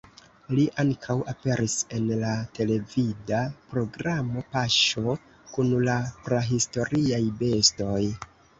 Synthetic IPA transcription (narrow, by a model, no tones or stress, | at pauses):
liʔaŋkʰawape̞ɾise̞nlate̞le̞vidapɾo̞ɡɾamo̞paʃo̞ | kunlapɾaɦisto̞ɾiajbe̞sto̞j